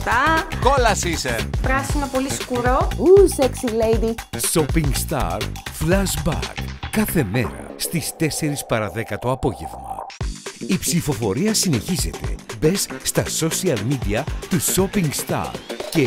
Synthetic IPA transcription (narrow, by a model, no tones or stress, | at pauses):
t̪ɐkolɐsisepɾɐsinopo̞liskuɾo̞useksilejd̪iso̞piŋɡst̪ɐ̰ɾflɐzbɐ̰ɾkːɐθe̞me̞ɾɐ̰st̪ist̪e̞se̞ɾispɐɾɐðe̞kɐt̪o̞ɐpo̞ʝe̞vmɐ̰ | ipsifo̞fo̞ɾiɐsine̞çize̞t̪e̞̰be̞sːt̪ɐso̞siɐlmid̪iɐt̪uso̞piŋɡst̪ɐ̰ɾce̞